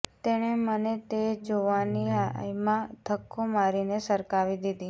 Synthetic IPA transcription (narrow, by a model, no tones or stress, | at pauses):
t̪eɽ̃emənet̪ed͡ʒoʋaniajmãd̪ʱəkʰːomaɾinesəɾkaʋid̪id̪i